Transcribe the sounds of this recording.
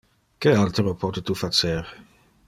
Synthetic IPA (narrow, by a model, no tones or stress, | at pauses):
kealt̪ɾopɔt̪et̪ufat͡seɾ